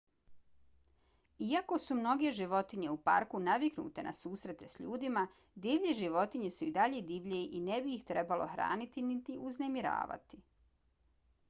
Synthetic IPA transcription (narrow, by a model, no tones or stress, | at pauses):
iako̞sumno̞ɡe̞ʒiʋo̞t̪iɲe̞upa̰ɾkunaʋiknṵːt̪e̞nʔa̰suːsɾe̞t̪e̞sʎuːd̪ima | d̪iʋʎeʒiʋo̞t̪iɲesuid̪aʎe̞d̪iːʋʎeʔinebiːxt̪ɾe̞balo̞̰xɾa̰ːnit̪init̪iʔuzne̞miɾa̰ːʋa̰t̪i̥